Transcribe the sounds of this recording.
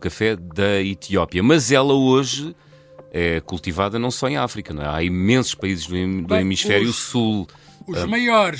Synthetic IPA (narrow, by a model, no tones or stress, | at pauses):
kɐfɛðɐit̪iɔpiɐmɐzɛlˠɐoʒɨ | ɛkulˠt̪ivaðɐnɐ̃w̃sɔẽafɾikɐñɛ̰̃a̰imẽsu̥ʃpɐizʒðud̪uimiʃfɛɾjusulˠ | uʒmɐjɔɾ